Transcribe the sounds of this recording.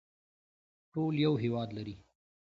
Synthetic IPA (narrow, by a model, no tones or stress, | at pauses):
ʈoljawɦewɑd̪laɾi